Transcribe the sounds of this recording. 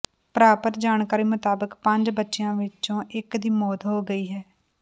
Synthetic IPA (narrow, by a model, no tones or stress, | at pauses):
pəɾaːpət̪d͡ʒaːɳkaːɾiːmʊt̪aːbəkpəɲd͡ʒbətːʃejãːʋɪt͡ʃõːʔɪkd̪iːmɔːd̪ɦoːɡəiːɦɛː